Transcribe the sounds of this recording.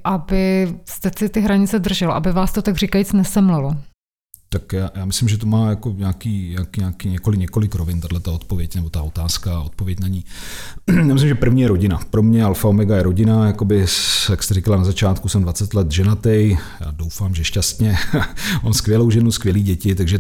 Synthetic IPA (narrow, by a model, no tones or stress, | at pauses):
ʔabɪst̪ɛsɪt̪ɪɦɾaɲɪt͡sɛd̪r̩ʒɛloʔa̰bɪvaːst̪ot̪aɡrikajit͡snɛsɛmlɛlo | t̪akjaːjaːmɪslɪmʒɛt̪̬omaːjako̞ɲaːkiːɲaːkːɲaːkiːɲɛko̞lɪɲɛko̞lɪkɾovɪnt̪adlɛt̪aot̪povjɛcnɛbo̞t̪aot̪aːskaʔot̪̚povjɛcnaɲiː | jaːmɪslɪmʒɛpr̩vɲiːjɛɾo̞ɟɪnapɾo̞mɲɛalfaomɛɡajɛɾo̞ɟɪnajako̞bɪjakst̪ɛɾɪkalanazat͡ʃaːt̪kusɛmdvat͡sɛt̪lɛt̪ʒɛnat̪ɛjja̰ːdo̞wfaːmʒɛʃcast̪ɲɛmamskvʲjɛlowʒɛnuskvjɛliːɟɛcɪt̪aɡʒɛ